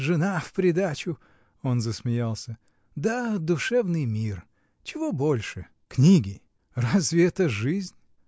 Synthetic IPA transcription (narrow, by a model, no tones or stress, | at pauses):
ʐɨnafpɾʲɪd̪at͡ɕʊ | o̞nzəsmʲɪjalˠsʲə | d̪ad̪ʊʂɛvnɨjmʲir | t͡ɕɪvobolʲʂɨ | knʲiɡʲɪ | razvʲɪɛt̪əʐɨzʲnʲ